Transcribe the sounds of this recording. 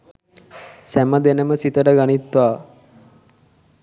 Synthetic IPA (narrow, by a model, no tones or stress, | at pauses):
sæməd̪enəməsit̪əʈəɡanit̪ʋaː